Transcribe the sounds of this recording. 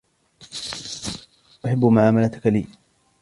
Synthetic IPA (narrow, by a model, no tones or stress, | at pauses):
ʔaħabːmʊʕaːmalat̪ʊ̥kalḭː